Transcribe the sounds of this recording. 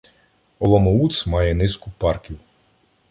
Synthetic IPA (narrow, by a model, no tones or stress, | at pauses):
ɔlˠɔmɔut̪smɑjɛnɪskʊpɑrkʲiw